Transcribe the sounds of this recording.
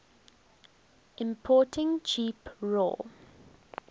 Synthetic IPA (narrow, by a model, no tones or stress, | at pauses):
ʔɪ̃mpʰɔːˑtɪ̃ŋt͡ʃʰiːpɹo̰l